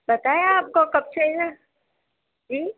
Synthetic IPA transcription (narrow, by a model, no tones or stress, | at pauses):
bɐt̪aːjaaːp̚kokɐb̚t͡ʃʰed͡ʒa | d͡ʒiː